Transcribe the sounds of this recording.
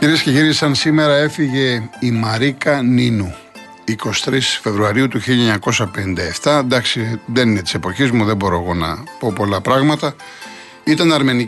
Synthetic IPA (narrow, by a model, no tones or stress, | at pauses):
iɾiesce̞ciɾisɐnsime̞ɾɐe̞fiʝe̞imɐɾikɐninu | iko̞si̥t̪ɾisfe̞vɾuɐɾiut̪uçiʎɐɲɐko̞sɐpenind̪ɐe̞ft̪ɐnd̪ɐksiðe̞ninet̪i̥se̞po̞çizmuðebo̞ɾo̞eɣo̞nɐ̰po̞po̞lɐpɾɐɣmɐt̪ɐ | it̪ɐnɐɾme̞ni